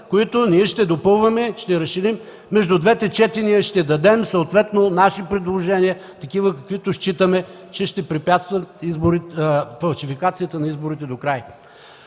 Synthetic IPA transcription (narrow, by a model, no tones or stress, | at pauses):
koit̪ʊniɛʃt̪ɛd̪opɤlˠvɐmɛʃt̪ɛɾɐsʃiɾimː | ɛʒd̪ʊd̪vɛt̪ɛt͡ʃɛt̪iniəʃt̪ɛd̪ɐd̪ɛmsoːt̪vɛt̪nonaʃipɾɛd̪lˠoʒɛniət̪ɐkivəkɐkvit̪ʊʃt͡ʃit̪əmɛ | t͡ʃɛʃt̪ɛpɾipʲjat̪st̪vɐt̪izboɾifɐlˠʃifikat̪sijət̪ənɐizboɾit̪ɛd̪okɾaj